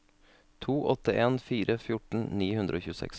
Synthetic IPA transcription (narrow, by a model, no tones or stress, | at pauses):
t̪ʰuːʔɔt̪əeːnfiːɾəfjʊʈɳ̩niːhʉnd̪ɾʔoːçʉːsɛ̰ks